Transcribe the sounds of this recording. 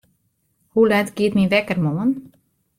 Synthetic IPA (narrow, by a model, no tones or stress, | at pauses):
hulɛtɡiətmiʋɛkərmoən